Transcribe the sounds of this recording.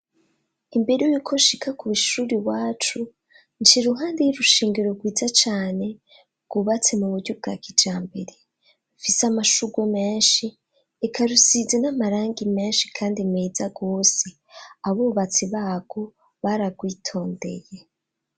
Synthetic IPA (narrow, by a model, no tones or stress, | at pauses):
imbe̞ɾujuːkʰo̞ʃikakuβuʃuɾiwaːt͡ʃu | nʃiɾuɦaːndejuɾuʃeːŋɡeɾoɾɡwiːzat͡ʃaːne̞ | ɡ̥uβat͡se̞muβuɾɟub̚ɡa̰kʰid͡ʒaːmbe̞ɾe | ɱfisamaʃuɡwome̞ːnʃiː | kʰaɾusizenamaɾaːŋɡime̞ːnʃi̥kʰaːndimeːzaɡoːse̞ | aβoːβat͡siβaːɡ̥o̞ | βaɾabɡwiːtʰo̞ːnde̞̰je̞